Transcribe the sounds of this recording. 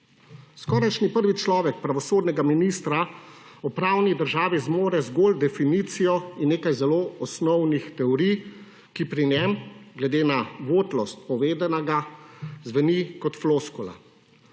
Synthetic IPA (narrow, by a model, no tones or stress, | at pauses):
skɔːɾajʃnipəɾʋit͡ʃlɔːʋɛk̚pɾaʋɔsoːd̪nɛɡaminist̪ɾaɔpɾaːwnid̪əɾʒaːʋizmoːɾɛzɡoːld̪ɛfiniːt̪sijɔinneːkajzɛloːɔsnɔwnixt̪ɛɔɾij | kipɾinɛmɡlɛd̪eːnaʋoːt̪lɔst̪̚pɔʋeːd̪ɛnaɡazʋɛnikɔt̪floskɔla̰